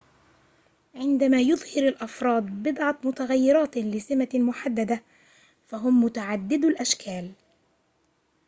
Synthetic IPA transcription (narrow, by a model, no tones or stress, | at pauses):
ʕɪnd̪amaːjʊðˤhɪɾalʔɑfɾˤɑːd̪̚ˤbɪd̪ʕɑt̪mʊt̪aɣajːɪɾˤɑːt̪lɪsɪmamʊħad̪ːad̪a | faɦʊmːʊt̪aʕad̪ːɪd̪alʔaʃkʰaːl